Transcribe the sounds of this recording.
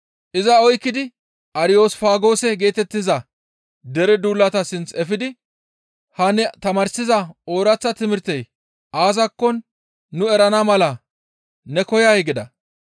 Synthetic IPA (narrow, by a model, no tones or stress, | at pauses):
ʔɪzɐɔjkːɪd̪ɪ | ʔɐɾɪjo̞ːsfaːɡo̞ːsɛɡe̞ːt̪ɛt̪ːɪzɐ | d̪ɛɾɛd̪uːlːɐt̪ɐsɪnt͡sɛfɪd̪ɪ | hɐnɛt̪ɐmɐɾsɪzɐo̞ːɾɐt͡sːɐt̪ɪmɪɾt̪ɛj | ʔaːzɐkːɔnː | ʊɛɾɐnɐmɐlɐ | nɛkɔjajɛɡɪd̪ɐ